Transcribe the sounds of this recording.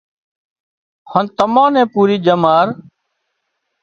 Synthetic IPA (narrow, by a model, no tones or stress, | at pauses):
hənt̪əmãːnẽːpuːɾiːd͡ʒəmaːɾ